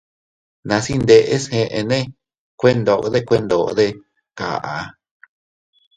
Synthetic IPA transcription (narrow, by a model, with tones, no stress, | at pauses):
nã˧si˦nd̪e˧ʔe˦shẽ˧ʔe˧nẽ˦ | kʷe˦nd̪o˧˨˧ðe˦˧kʷe˦˧nd̪o˨˧ðe˦ | ka̰˨ʔa˨